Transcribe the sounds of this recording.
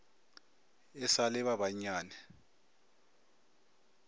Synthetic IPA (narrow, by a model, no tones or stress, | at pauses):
ɛsalɛβaβaɲaːnɛ